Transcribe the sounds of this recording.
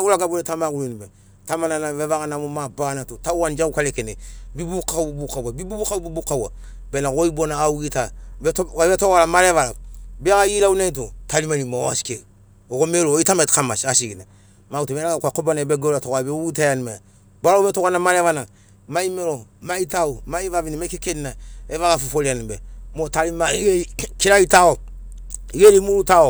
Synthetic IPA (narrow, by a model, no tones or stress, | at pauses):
aulaɡabuletamakulinibe | tamananaβevakanamomabanatotauwand͡ʒakukalekenebibukaububukawabibubukaubibukawa̰ | bɛnakoibonaauɡita | betokalamalevalabiakajilaunait̬otalimanimaasi̥ke | okomeɾoitametkamasasiɡina | mautubɛɾaakakobanabɛɡoɾatokabeuutajanimaja̰ | baɾaubetokanamaɾevana | maimeɾomaitaomaivavinimaikekeninaevakafofoɾianibɛmotalimaiekiɾaitao | iɡeɾimuɾutao